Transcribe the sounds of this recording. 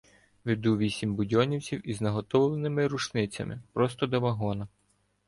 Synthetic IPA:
ʋɪd̪uʋʲisʲimbʊdʲɔnʲiwt͡sʲiwiznɐɦɔt̪ɔwlˠenɪmɪɾuʃnɪt͡sʲɐ̰mɪ̰pɾɔst̪ɔd̪ɔʋɐɦɔnɐ

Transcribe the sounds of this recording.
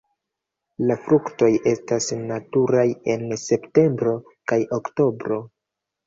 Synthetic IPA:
lafɾukto̞je̞stasnatuɾaje̞nse̞pte̞mbɾo̞ | kajʔokto̞bɾo̞

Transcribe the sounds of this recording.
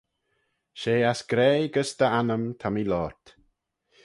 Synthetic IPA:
ʃeːasɡ̥ɾɛːɡəsd̪̥əanəmt̪ʰamilɔːɹt̪

